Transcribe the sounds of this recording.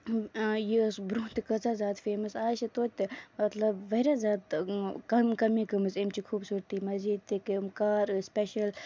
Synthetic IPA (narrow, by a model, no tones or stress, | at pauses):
jisbɾũːt̪ikɐzaːzʲaːt̪feːmɐsaːʃit̪oːt̪ːimɐt̪lɐbʋɐɾazʲjaːt̪kɐmkɐmĩːkɐmɨsimt͡ʃikʰuːbsuːɾt̪imɐziːd̪̚t̪ikimkaːɾspʲeʃɐl